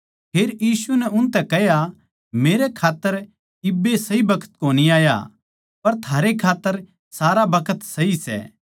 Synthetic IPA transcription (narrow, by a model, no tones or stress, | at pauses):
pʰeːɾjiːsunɛʊnt̪ɛkɛɦja | meːɾekʰaːt̪ːəɾ | ɪbːesɐɦibɐkʰə̥t̪koːniaːja̰ | pɐɾt̪ʰaːɾekʰaːt̪ːəɾ | saːɾabɐkʰət̪sɐɦisɛ̰ː